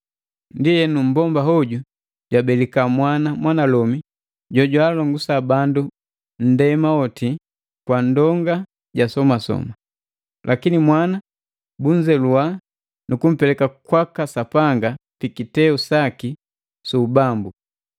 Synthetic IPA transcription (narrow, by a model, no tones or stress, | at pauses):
ndijɛnum̩bɔmbaɦɔɟu | ɟwabɛlikamwanamwanalɔmi | ɟɔɟwalɔŋɡusabandu | n̩dɛmaɔti | kwandɔŋɡa | ɟasɔmasɔ̰ma | lʔakinimwana | buɲd͡ʒɛlua | nukum̩pɛlɛkakwakasapaŋɡapikitɛusaki | suːbambu